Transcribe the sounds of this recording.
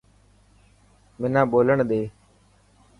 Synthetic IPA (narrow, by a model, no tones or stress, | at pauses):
mɪnãːɓoːləɳɗ̪eː